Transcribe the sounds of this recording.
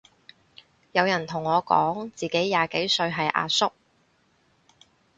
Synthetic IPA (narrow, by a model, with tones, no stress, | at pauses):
jɐ˨˧wjɐ˨˩nt̪ʰʊ˨˩ŋːɔː˨˧kɔ̰ː˨˥ŋt͡siː˨ke˨˥jːaː˨ke˨˥jsɵ˧ɥɦɐ˨jʔa̰ː˧sʊ˥k̚